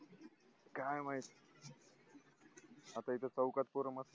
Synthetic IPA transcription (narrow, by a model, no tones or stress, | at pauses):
kajmaɦit̪ | at̪ait̪ʰət͡səwkat̪̚poɾəməs